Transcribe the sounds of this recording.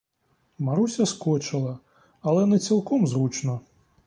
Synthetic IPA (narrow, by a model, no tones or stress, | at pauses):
maɾusʲɐskɔt͡ʂɨlˠɐ | ɐlɛnɨt̪sʲɨlˠkɔmzrut͡ʂnɐ